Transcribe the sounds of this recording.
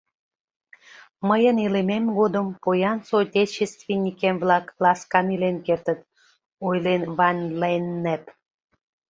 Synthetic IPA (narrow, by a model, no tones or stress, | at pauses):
məjənilememɡod̪əmpojɑnsotʲet͡ɕːest̪venʲikemβlɑklɑskɑmilenkert̪ə̆t̪̚ | ojlenβɑnʲlenːæp